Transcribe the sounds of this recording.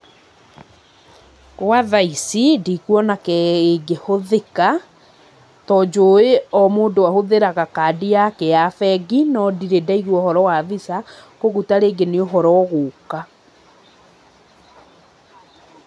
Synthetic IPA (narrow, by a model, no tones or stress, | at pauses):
ɣwaðaisidikwɔnakɛeɡehoðeka | tɔːd͡ʒoːeɔmoːndowahoðeɾaɣakadiakejafɛɡinɔdiɾedaiɣwɔhɔɾɔwaðisakoɣutaɾeːɡeneoɦɔɾɔɣoːka